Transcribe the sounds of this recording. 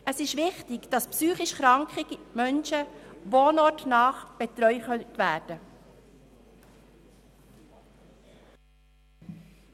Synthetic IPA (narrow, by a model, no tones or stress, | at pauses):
ʔəsɪʃʋɪχtɪkd̥ɑspsyːχɪʃχɾɑŋkχiɡimœnʃəʋoːnɔtnɑːχb̥et̪ɾœʏχœntʋæːɾd̥ə